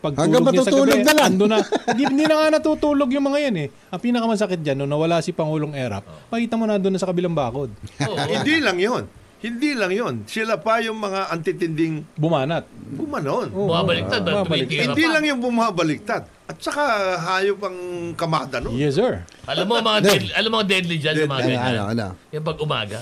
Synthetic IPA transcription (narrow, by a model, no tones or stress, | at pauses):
pɐɡ̚thɐŋuːaomɐɡ̪nutsɐuːloɡnɐlaɐnd̪onːɐɡɪpninɐŋanɐt̪uːt̪uːlo̞ɡjʊŋmɐŋajanɛ | ʔɐpiːnɐkɐmɐs̬ɐkɪt̪̚d͡ʒɐnːʊŋnɐwɐlasɪpɐŋuːloŋʔɛːɾɐ̰p̚mɐkiːt̪ɐmonɐɐnd̪onɐsɐkɐbɪlaŋbaːko̞d̪̚hɪd̪ilɐŋjon | hɪnd̪ilɐŋjonsɪlapɐjʊŋmɐŋaʔɐnt̪ɪt̪ɪnd̪ɪŋbʊmaːnɐt̪̚bʊmanonʔobʊmabɐlɪk̪ad̪̚bɐabɐlɪk̪hɪnd̪ilɐŋjʊŋbʊmabɐlɪk̚t̪ad̪̚ | ʔɐt̪̚t͡ʃɐkaɦaːjopɐŋkɐmad̪ɐnojɛsɛɹʔɐlɐmomɐŋad̪ɛd̪ʔɐlɐmoŋd̪ɛd̪lid͡ʒanmaɡa̰ɐ̰n̰jʊŋpɐɡʊma̰ːɡɐ̰